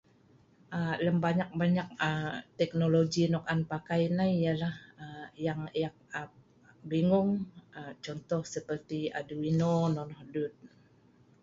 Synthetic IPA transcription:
ʔələmbaɲak̚baɲak̚əmt̪ɛk̚noloɡinɔkanpakajnajalahəjaŋjak̚a | biŋʊŋət͡ʃɔnt̪ɔhsəpərt̪ia̰duwinonɔnɔhdut̪̚

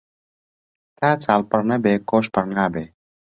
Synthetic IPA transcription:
t̪aːt͡saːlpɐɾnɐbeːkoːʃpɐɾŋaːbe

